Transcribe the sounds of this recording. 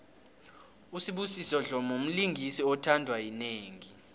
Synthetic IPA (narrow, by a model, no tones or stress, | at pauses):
usiɓusisɔɮɔmom̩liŋʱisiɔtʰandʱwajineːŋi